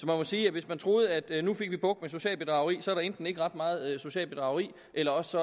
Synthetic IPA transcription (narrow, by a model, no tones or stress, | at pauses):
sɒ̽mænmɒ̽siːæʋe̝smænt͡sʰʁo̝ːð̞̩ˠæd̥nufe̝ɡ̥ʋib̥ɔ̽ɡ̥̚meso̝ɕɛ̰ːlb̥e̝d̥ʁɑ̈ʊɐʁḭːsɒ̽æɐɾ̥ɑend̥n̩e̝ɡ̥əʁɑ̈d̥mɑ̈ːð̞̩ˠso̝ɕɛ̰ːlb̥e̝d̥ʁɑ̈ʊɐʁḭː | ʔelɐɒ̽ssɒ̽